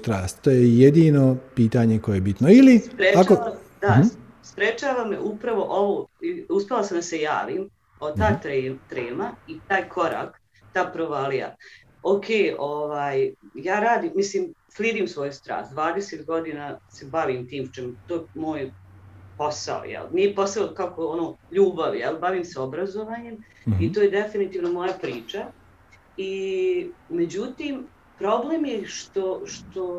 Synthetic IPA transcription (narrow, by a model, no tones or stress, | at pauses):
t̪ɾaːst̪t̪ːoːjejed̪iːnopiːt̪aɲekojejebit̪noilispɾeakt͡ʃakoa | d̪a | spɾet͡ʃaːʋamḛʔupɾaʋo̞ʔoʋoiuspʲelˠasamd̪ase̞ja̰ːʋiːm | ot̪aːt̪ːt̪ɾeːmait̪aːjkʰo̞ɾa̰ːk | t̪aːpɾoʋalija̰ | okʰeːoʋaːjjaːɾaːd̪iːmːisliːmsliːd̪iːmsʋo̞ːjust̪ɾa̰ːst̪d̪ʋaːd̪eset̪ɡo̞d̪inase̞baʋiːmt̪iːmt͡ʃemt̪oːemo̞ːjpo̞sa̰o̰jɛ̰lniepo̞saokakoonoːʎuːbaʋijɛ̰lbaʋiːmseobɾazo̞ʋaːɲe̞m | it̪oːjed̪efinit̪iːʋnomo̞japɾiːt͡ʃa | i | med͡ʑut̪iːm | pɾo̞bleːmjeʃt̪o̞ʃt̪o̞